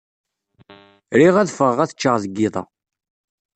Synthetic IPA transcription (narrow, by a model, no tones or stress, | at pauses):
ɾiʁæðfəʁʁæθə̥t͡ʃːəʁzəɡːɪðˤɑ̰